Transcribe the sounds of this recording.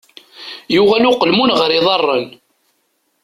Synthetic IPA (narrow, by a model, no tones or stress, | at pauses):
jʊʁælʊqəlmunʁəɾiðˤɑrˤːən